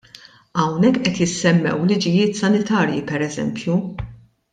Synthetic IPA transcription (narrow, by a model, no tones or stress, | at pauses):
ɐwnɛkːʔɛt̪jɪsːɛmːɛ̰wlɪd͡ʒɪjɪːt̪sɐnɪt̪ɐːɾjḭpɛɾɛzɛ̰mpʰju